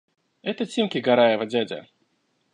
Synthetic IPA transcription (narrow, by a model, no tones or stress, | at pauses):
ɛt̪ət͡sʲimkʲɪɡɐɾajɛvɐdʲadʲɐ̰